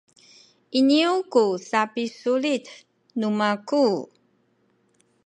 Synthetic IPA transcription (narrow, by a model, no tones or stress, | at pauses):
iniukusapisulit | numaku